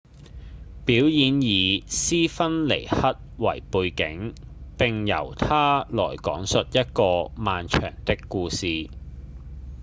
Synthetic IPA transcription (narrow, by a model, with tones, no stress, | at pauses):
piː˨˥wjiː˨˧njiː˨siː˥fɐ˥nle˨˩jhɐ˥t̚wɐ˨˩jpuː˧jkɪ˨˥ŋpɪ˨ŋjɐ̰˨˩wt̪ʰaː˥lɔː˨˩jkɔ̰ː˨˥ŋsɵ˨t̚jɐ˥t̚kɔː˧maː˨nt͡ʃʰœ̰ː˨˩ŋt̪ɪ˥kːuː˧siː˨˧